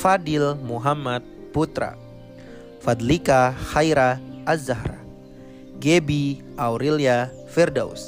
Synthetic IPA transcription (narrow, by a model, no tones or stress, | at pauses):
fadilmuɦamat̪̚put̪ɾa̰ | fad̪likahajɾaazahɾa̰ | ɡɛbi | awɾɛlia | fɛrdaṵs